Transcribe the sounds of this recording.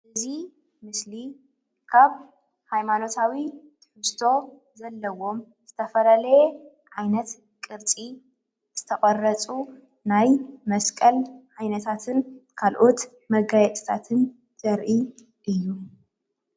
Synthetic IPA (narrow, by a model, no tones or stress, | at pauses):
ʔɨzi | mɨsli | kʰaβ | hajmano̞t̪ʰawi | t̪ʰɨħɨst̪ʰo̞ | zɐlːɐwo̞m | z̥ɨt̪ʰɐfɐlalɐje | ʕajnɐt̪ | kʼɨɾt͡sʼi | z̥ɨt̪ʰɐχʼɐrɐt͡sʼu | najmɐskʼɐlʕajnɐt̪ʰat̪ʰɨnkʰalʔo̞t̪ | mɐɡajɛt̪ʼɨ̥t̪ʰat̪ʰɨn | zɐɾʔi | ʔɨjːu